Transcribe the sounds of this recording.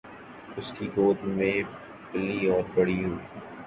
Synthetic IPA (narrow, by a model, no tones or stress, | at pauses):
ʊskiɡoːt̪mẽ | pɪliɔːɾbɐɽiɦuiː